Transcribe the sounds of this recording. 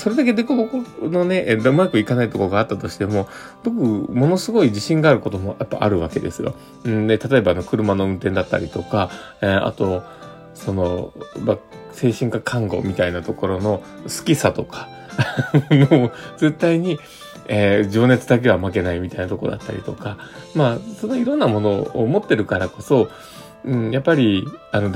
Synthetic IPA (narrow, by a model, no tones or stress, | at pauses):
so̞ɾe̞d̪ake̞d̪ekobokono̞ne̞ʔd̪oɯmojakɯ̟ikanait̪o̞koɡaːt̪ːat̪o̞ɕi̥t̪e̞mo̞ | b̥o̞k̬ɯ̟mo̞no̞sɨɡo̞id͡ʑiɕĩŋɡaːɾɯ̟ko̞t̪o̞mo̞japːa̰ʔa̰ɾɯ̟βake̞d̪e̞sɨjõ̰ | d̪e̞t̪at̪o̞e̞baːno̞kɯ̟ɾɯ̟mano̞ɯ̟̃nt̪ẽnd̪at̪ːa̰ɾʲit̪o̞ka | a̰t̪o̞ | so̞no̞mase̞ːɕĩŋkakʰãŋɡo̞̰mʲit̪ainat̪o̞ko̞ɾo̞no̞ | sɨ̥kʲisat̪o̞kʰḁ | noze̞t̪ːaiɲ̟i | ed͡ʑo̞ːne̞t͡sɨd̪ak̬e̞βamak̬e̞naimʲit̪ainat̪o̞ko̞̰d̪at̪ːa̰ɾʲḭt̪o̞kamaso̞no̞iɾõ̞nːamo̞no̞o̰mo̞t̪ːe̞ɾɯ̟kaɾako̞so̞ | ɯ̟̃ɴjapːaɾʲiano̞